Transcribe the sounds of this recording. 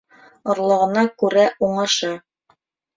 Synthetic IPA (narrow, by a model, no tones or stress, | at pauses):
ŏɾlˠɤ̆ʁɤ̆nɑkʉɾæuɴɑʃɑ